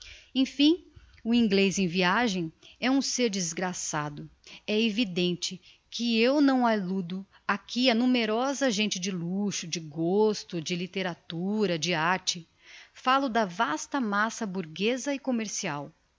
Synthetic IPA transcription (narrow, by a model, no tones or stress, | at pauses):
ẽj̃fĩ | ʊĩɡlezẽj̃viaʒẽj̃ɛũseɾd͡ʒɪzɡɾasad̪ʊɛevid̪ẽnt͡ʃɪ | kʰɪewnɐ̃w̃alud̪ʊ | akʰiɐnũmeɾɔzɐʒẽnt͡ʃɪd͡ʒɪluʃʊd͡ʒɪɡost̪ʊd͡ʒɪlit̪eɾat̪uɾɐd͡ʒɪaɾt͡ʃɪ | falʊd̪ɐvast̪ɐmasɐbuɾɡezɐɪkomeɾsiaw